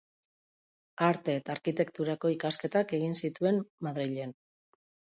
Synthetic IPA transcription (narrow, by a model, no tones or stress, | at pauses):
aɾt̪e̞t̪aːɾkit̪e̞kt̪uɾako̞ikaske̞t̪ake̞ɣ̞insit̪ue̞nmaðɾiʎe̞n